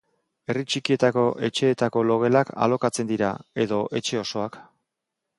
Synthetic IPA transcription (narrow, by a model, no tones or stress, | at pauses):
e̞rit͡ʃikie̞t̪ako̞ʔe̞t͡ʃe̞ːt̪ako̞lo̞ɣ̞e̞lakʰa̰lo̞kat͡se̞nd̪iɾa̰e̞ðo̞ʔe̞t͡ʃe̞o̞so̞ak